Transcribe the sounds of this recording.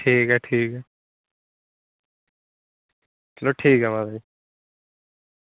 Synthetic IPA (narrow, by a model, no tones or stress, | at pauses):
ʈʰiːkɦɛʈʰiːkɦɛ | sloʈʰiːkɦɛmad̪ɾi